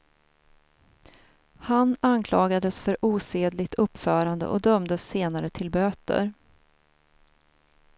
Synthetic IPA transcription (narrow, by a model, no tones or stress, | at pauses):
hanankʰlɑːɡad̪əsfœɾʔuːseːd̪lɪɡt̪ʰɵpːfœːɾand̪ə̰ʔɔd̪œmd̪əsːeːnaɾət̪ʰɪlbøːt̪ə̰ɾ